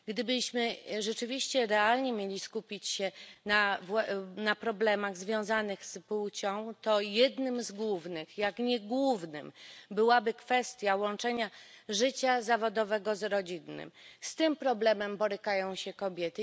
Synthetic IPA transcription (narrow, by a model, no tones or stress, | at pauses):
ɡd̪ɘbɘɕmɘʐɛt͡ʂɘvʲiɕt͡ɕɛɾɛalɲɛmʲjelʲiskupʲit͡ɕɕɛnavnapɾɔblɛmaɣzvʲjɔ̃w̃zanɘɣsput͡ɕɔ̃w̃t̪ɔjɛd̪nɘmzɡwuvnɘxjakɲɛɡwuvnɘ̰mbɘwabɘkfɛst̪ʲjawɔnt͡ʂɛɲaʐɘt͡ɕazavɔd̪ɔvɛɡɔzɾɔd͡ʑinːɘ̰mst̪ɘmpɾɔblɛmɛmbɔɾɘkajɔ̃w̃ɕɛkɔbʲjɛt̪ɘ